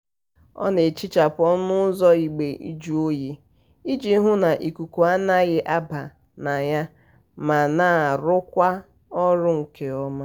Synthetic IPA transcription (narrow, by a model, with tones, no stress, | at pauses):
ɔ̰˦ne˨t͡ʃi˦t͡ʃa˨pʊ˨ɔ˦nʊ˦zɔ˦i˨ɡ͡be˨ʔḭ˦d͡ʒu˦o˦je˦ | i˦d͡ʒi˨˦ɦʊ˦na˨ʔi˨ku˨ku˨a˦na˦ɣɪ˨ʔa˦ba˨ | na˨ja˦ | ma˨naː˨ɾʊ˦kʷa˦ | ɔ˦ɾʊ˦ŋ̩˨ke˦ɔ˦ma˦